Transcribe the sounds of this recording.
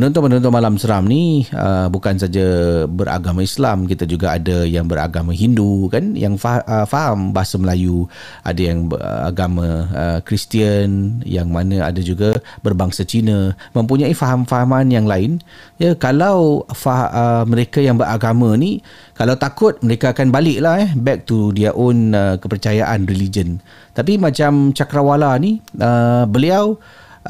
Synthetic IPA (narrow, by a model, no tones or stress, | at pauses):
pənɔ̃nt̪̬ɔnpənɔ̃nt̪̬ɔnmalamsəɾamniə̰bukans̬ad͡ʒabəɾa̰ɡamãislamkit̪ad͡ʒuɡaadajaŋbəɾa̰ɡamãɦindukanjaŋfaəfaɦambaɦasaməlaju | ʔa̰dajaŋə̰a̰ɡamãəkɾist̪iənjaŋmanə̃a̰dad͡ʒuɡabərbaŋsat͡ʃinəmə̃mpuɲãifaɦamfaɦamãnjaŋlaɪnjakalawfaəməɾekajaŋbəɾʔaɡamãni | kalawt̪akʊt̪̚məɾekaːkanbalɪʔlahɛbɛk̚t̪udiaʔɔnəkəpərt͡ʃajaʔanrilid͡ʒən | t̪ap̬imãt͡ʃamt͡ʃakɾawalaniʔəbəliaw